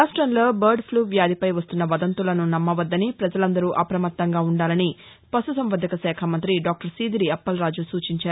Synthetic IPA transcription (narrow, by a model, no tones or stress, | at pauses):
aːsʈɾɐnlo̞ːbɐɾɖpʰluːʋjaːd̪ipɐjʋɐst̪unːɐʋɐd̪ɐnt̪ulɐnunɐmːɐʋɐd̪ːɐnipɾɐd͡ʒɐlɐnd̪ɐɾuʔɐpɾɐmɐt̪ːɐŋɡaːuɳɖaːlɐni | pɐsusɐmʋɐd̪ʱɐkɐsɛːkʰamɐnt̪ɾiɖaːk̚ʈɐɾsiːd̪iɾiɐpːɐlɾaːd͡ʒusuːt͡ʃiɲt͡ʃaːɾu